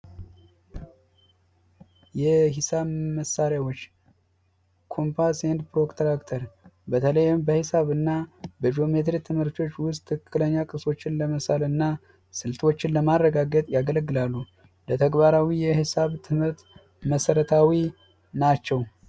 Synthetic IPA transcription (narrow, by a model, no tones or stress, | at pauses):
jɛhɪsaβməsːaɾjawo̞t͡ʃː | kʰo̞mpʰasend̪pɾo̞kt̪ʰɾakt̪ʰəɾbət̪ʰələjmbəhɨsaβɨnːabəd͡ʒo̞met̪ɾit̪ʰɨmhɨɾt̪ʰo̞t͡ʃːwʊs̬t̪ʰʼːɨkːɨləɲːakʼɨso̞t͡ʃːɪnləməsalɨnːa | sɨlt̪ʰo̞t͡ʃːɪnləmarːəɡaɡət̪ʼjaɡələɡːɨlalːu | lət̪ʰəɡbaɾawijɛhɨsaβt̪ʰɨmhɨɾt̪ | məsəɾət̪ʰawi | nat͡ʃːɛw